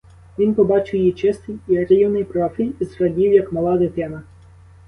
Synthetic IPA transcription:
ʋʲinpɔbɑt͡ʃɪwjit͡ʃɪst̪ɪjiɾʲiwnɪjpɾɔfʲilʲizɾɐdʲiwjɐkmɔlˠɑd̪ɪt̪ɛnɐ

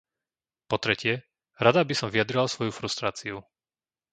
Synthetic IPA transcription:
pɔt̪ɾɛcɪɛ | ɾad̪abisɔmvijad̪ɾilasʋɔjufɾust̪ɾaːt͡siu

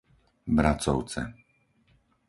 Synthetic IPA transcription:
bɾat͡sɔʊt͡sɛ̰

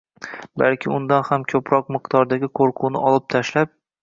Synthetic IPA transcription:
balkʲʰɪʊnd̪anhamkʲʰɵpʰɾɒq̚mɪqd̪ɒɾd̪aɡʲɪqʰoɾqʰʊnɪɒlˠɪp̚t̪ʰaʃlap̚

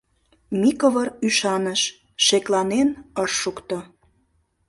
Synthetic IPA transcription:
mikoβəryʃɑnəʃ | ʃeklɑnenəʃːukt̪o

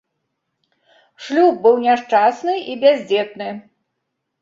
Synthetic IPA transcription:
ʂlʲub̚bɨwnʲaʂt͡ʂasnɨibʲazʲd͡zʲɛt̪̚nɨ

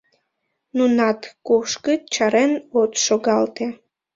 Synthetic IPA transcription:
nunɑt̪koʃkət͡ɕɑɾenot̪ʃoɡɑlt̪e

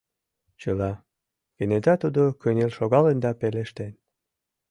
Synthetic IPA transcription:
t͡ɕəlɑ | ɡənet̪ɑt̪ud̪okønelʃoɣɑlend̪ɑpeleʃt̪en

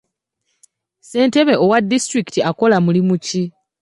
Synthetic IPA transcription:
se̞ːnte̞βeʔo̞wadːistɾiktiako̞lamulimuci

